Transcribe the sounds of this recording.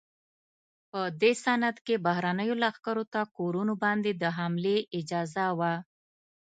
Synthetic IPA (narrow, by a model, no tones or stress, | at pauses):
pəd̪esanat̪kebaɦɾanəjolaxkaɾot̪akoɾunobɑnd̪ed̪əɦamleʔɪd͡ʒɑzawa